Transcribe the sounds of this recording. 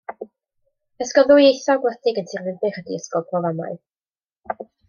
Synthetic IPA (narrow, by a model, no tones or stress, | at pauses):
əskɔðʊjejθɔɡwɛdɪɡəntʰirvɪnbɪχədḭəskɔlpʰrɔvama̰ɨ